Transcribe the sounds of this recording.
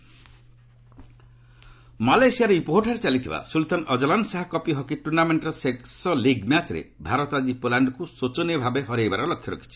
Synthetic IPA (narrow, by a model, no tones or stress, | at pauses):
malajsiaɾeipoɦoʈʰɔɾet͡ʃalit̪ʰiba̰sult̪anɔd͡ʒɔlansaɦakɔpiɦɔkiʈuɾnameɳʈɾɔseksɔliɡmjat͡ʃɾḛbʱaɾɔt̪ad͡ʒipolaɳɖkusot͡ʃɔnibʱabeɦɔɾejbaɾɔlɔkʰːjɔɾɔ̰kʰi̥t͡ʃʰi